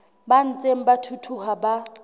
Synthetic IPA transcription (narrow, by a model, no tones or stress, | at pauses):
ban̩t͡sʼem̩batʰutʰuhaba